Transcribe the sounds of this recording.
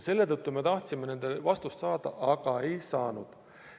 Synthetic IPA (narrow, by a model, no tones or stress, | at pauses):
se̞lːe̞t̪ɤt̪ːume̞t̪ɑht̪simene̞nd̪̥evɑst̪ust̪sɑːd̪̥ɑʔɑɡ̥ɑe̞jsɑːnud̪̥